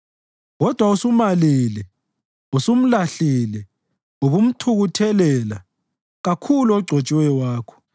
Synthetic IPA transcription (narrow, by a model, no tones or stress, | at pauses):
ɣɔd̥ʱwausumalilɛ | usum̩laɬilɛ | uβum̩tʰuɣutʰɛlɛla̰ | ɣakʰuluɔɡ͡ǀʱot͡ʃʼiwɛwaːkʰɔ̥